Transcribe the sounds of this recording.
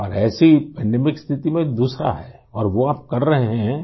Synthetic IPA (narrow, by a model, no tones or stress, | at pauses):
ɔːɾɛːsipɛ̃ɳɖemɪkst̪ʰɪt̪imẽd̪uːsɾa̰ɦɛː | ɔːɾʋoaːp̚kɐɾːɐɦeɦɛ̃